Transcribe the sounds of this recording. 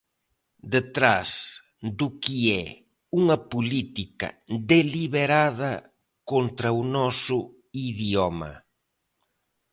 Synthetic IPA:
d̪et̪ɾas | d̪ʊkiɛ | uŋɐpulit̪ikɐ̰d̪eliβeɾaðɐ | kont̪ɾɐunɔsʊ | iðjɔmɐ̰

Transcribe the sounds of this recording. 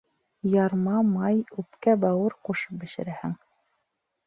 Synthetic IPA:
jɑɾmɑmɑjʉpkæbɑwɤɾquʃɤp̚bɘ̆ʃɘ̆ɾæhɘŋ

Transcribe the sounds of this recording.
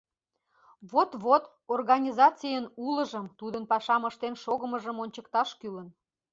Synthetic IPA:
βot̪βot̪ | orɣɑnʲizɑt͡sijənuləʒəmt̪ud̪ənpɑʃɑməʃt̪enʃoɣəməʒəmonʲt͡ɕəkt̪ɑʃkylən

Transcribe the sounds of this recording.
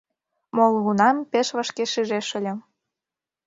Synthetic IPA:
molˠɣunɑmpeʃβə̆ʃkeʃiʒeʃə̆lʲə̆m

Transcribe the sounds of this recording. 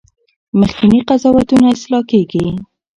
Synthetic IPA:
məxkɪniqazɑwat̪unaɪslɑkeɡi

